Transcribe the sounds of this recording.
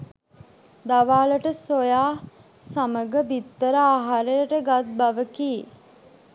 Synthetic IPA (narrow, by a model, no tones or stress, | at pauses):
d̪aʋaːləʈəsojaː | saməɡəbit̪ːəɾəaɦaɾəjəʈəɡat̪̚baʋəkiː